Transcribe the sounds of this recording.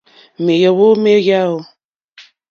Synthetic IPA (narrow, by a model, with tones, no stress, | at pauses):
me˨jə˨wo˦me˦ja˦o˨